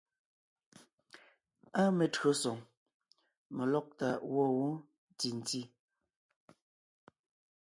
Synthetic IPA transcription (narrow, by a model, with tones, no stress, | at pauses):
a˦me˨tɰo˨˦sɔ˨ŋ | mɛ˨lɔ˦k̚ta˨wɔ˦˨wu˦ | ti˨n˨ti˦